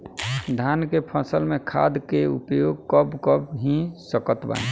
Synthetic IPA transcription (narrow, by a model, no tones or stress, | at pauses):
d̪ʱankepʰə̃səlmẽkʰa̰d̪keṵpjoɡ̚kəbkəbɦĩsəkət̪bã̰